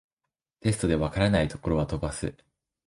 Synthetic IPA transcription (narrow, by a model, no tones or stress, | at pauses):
t̪e̞sɨ̥t̪o̞d̪e̞βakaɾanait̪o̞̥ko̞ɾo̞βat̪o̞basɨ